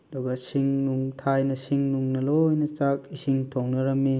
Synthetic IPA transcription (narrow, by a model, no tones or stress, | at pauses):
dɔɡɐsiŋnuŋtʰajnɐsiŋnuŋnɐlojnɐt͡ʃak̚isiŋtʰoŋnɐɾɐmi